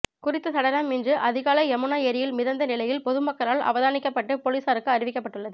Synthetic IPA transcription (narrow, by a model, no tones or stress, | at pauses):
kʊrɪt̪ːɯt̪ɐɽɐɾɐmːɪndrɯʔɐðɪɣaːlɐɪɛmɯɳaːeːɾɪjɪlmɪðɐnd̪ɐnɪlɐjɪlpɔðɯmɐkːɐɾaːlʔɐ̰ʋɐðaːnɪkːɐpːɐʈːɯpɔliːsaːɾɯkːɯɐɾɪʋɪkːɐpːɐʈːɯɭːɐðɯ